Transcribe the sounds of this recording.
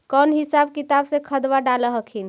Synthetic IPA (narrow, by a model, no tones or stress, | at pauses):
kɔnɦisabkit̪absẽkʰəd̪ʋaɖaləɦəkʰin